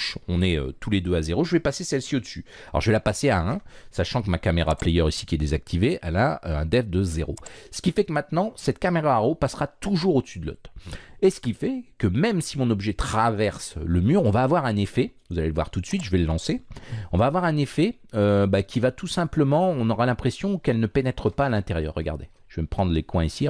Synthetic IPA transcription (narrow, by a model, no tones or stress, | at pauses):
ʃɔ̃nɛø̰t̪ʰuled̪øazeʁoʒəvɛpasesɛlsiod̪əsy | aɔ̰ʁʒəvɛlapaseaɛ̃saʃɑ̃kəmakameʁa̰plɛjœʁisi̥kʲiɛd̪ezak̚t̪ʰiveʔɛlaøɛ̰̃d̪ɛfd̪əzeʁo̰sə̥kʲifɛkəmɛ̃t̪nɑ̃sɛt̪kameʁaːʁopasʁat̪uʒuʁod̪əsyd̪lɔ̰t̪esə̥kʲifɛkəmɛmsimɔ̃nɔbʒɛt̪χavɛʁsləmyʁɔ̃vaːvwaʁɛ̃nefɛvuzaleləvwa̰ʁt̪ut̪sɥit̪ʒəvɛləlɑ̃seɔ̃vaːvwaʁɛ̃nefɛ | øbakʲʰivat̪usɛ̃pləmɑ̃ɔ̃nɔʁalɛ̃pχesjɔ̃kɛlnəpenɛt̪χəpaːlɛ̃t̪eʁjœ̰ːʁːəɡa̰ʁd̪e | ʒ̥əvɛməpχɑ̃d̪ʁlekwɛ̃isi